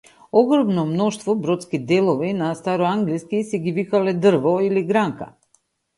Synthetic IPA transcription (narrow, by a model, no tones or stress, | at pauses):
ɔɡɾɔmnɔmnɔʃt̪vɔbɾɔt̪skid̪ɛlˠɔvinast̪aɾɔaŋɡliskisɛɡivikalɛd̪r̩vɔiliɡɾaŋka̰